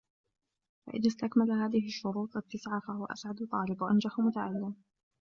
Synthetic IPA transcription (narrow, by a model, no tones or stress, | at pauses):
fa̰ʔɪ̰ðast̪akmalaɦaːðɪhɪʃːʊɾuːt̪ˤʔat̪ːasʕaːfahʊwaʔa̰sʕad̪ʊt̪ˤːɑːlɪbwaʔand͡ʒaħmʊt̪aʕalːɪm